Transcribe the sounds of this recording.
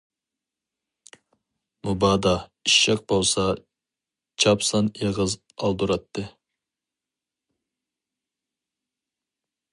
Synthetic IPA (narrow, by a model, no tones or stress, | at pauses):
mubɑːd̪ɑiʃːɑq̚bolˠsɑ | t͡ʃʰɑpsɑneʁɨz | ɑlˠd̪uɾɑt̪ʰːɨ